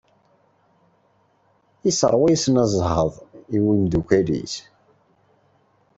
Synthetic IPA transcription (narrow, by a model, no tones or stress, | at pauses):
isəɾˤwæjisənæzˤɦəðˤiwilmd̪ukʷælḭs